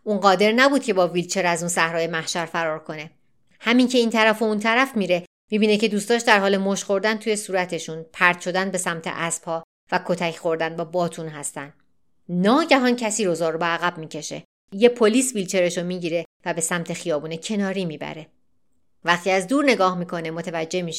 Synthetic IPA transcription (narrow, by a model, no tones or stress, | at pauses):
ʔuːnɢɒːd̪e̞ɾnæbuːd̪̥̚cʰe̞bɒːvilt͡ʃʰe̞ɾæzuːnsæhɾɒːje̞mæhʃæɾfæɾɒːɾkʰo̞ne̞ | hæmincʰe̞iːnt̪ʰæɾæfount̪ʰæɾæfmiːɾe̞ | miːbiːnecʰe̞d̪uːst̪ɒːʃd̪æɾhɒːle̞moʃxo̞ɾd̪ænt̪ʰuːje̞suːɾæt̪ʰe̞ʃunpʰæɾd̪̥ʃʰo̞d̪ænbe̞sæmt̪ʰe̞̰ʔæsb̥hɒː | vækʰo̞t̪ʰæcʰxo̞ɾd̪ænbɒːbɒːt̪ʰunɦæst̪ænd̪ | nɒːɟæɦɒːncʰæsiːɾozɒːɾobeæɣæb̚miːcʰe̞ʃe̞̰ | je̞pʰo̞liːsvilt͡ʃʰe̞ɾeʃomiːɟiːɾevæbe̞sæmt̪ʰe̞xijɒːbuːnecʰe̞nɒːɾiːmiːbæ̰ɾe̞ | væχt̪ʰiːæzd̪uːɾne̞ɡɒːhmiːkʰo̞nemot̪ʰevæd͡ʒːe̞miːʃe̥